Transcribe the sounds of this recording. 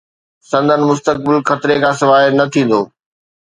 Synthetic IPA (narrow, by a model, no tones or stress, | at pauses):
sɐ̃nd̪ʱənɪ̆mʊst̪ək̚bɪlxɐt̪ɾekʰãːsɪʋaːɦɪnɐt̪ʰĩːn̆d̪oː